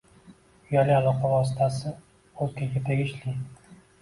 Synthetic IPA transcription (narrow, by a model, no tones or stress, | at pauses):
jɒlɪalˠɒqʰɑvɒsɪ̥t̪ʰasɪ | olkʲaɡʲat̪ʰeɡʲɪʃlɪ